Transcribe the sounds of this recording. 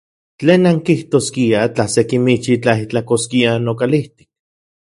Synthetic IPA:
t͡ɬeːnaŋkiht̪oːskiat͡ɬasekimit͡ʃit͡ɬait͡ɬakoskianokaliht̪i̥k̚

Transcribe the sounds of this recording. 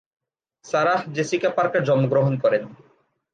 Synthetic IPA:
saɾad͡ʑesikapaɾkad͡ʑɔmoɡɾoɦonkɔɾen

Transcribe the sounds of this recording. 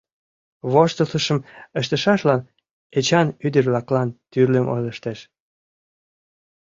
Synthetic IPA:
βoʃt̪əsəʃəməʃt̪ə̆ʃɑʃlɑn | et͡ɕɑnyd̪ərβlɑklɑnt̪yrləmʔo̰jləʃt̪eʃ

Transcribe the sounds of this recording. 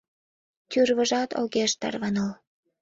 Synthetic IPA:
t̪yrβəʒɑt̪o̰ɣeʃt̪ɑ̰rβɑnəl

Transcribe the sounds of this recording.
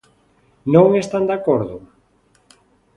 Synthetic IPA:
nõŋest̪and̪akoɾðʊ

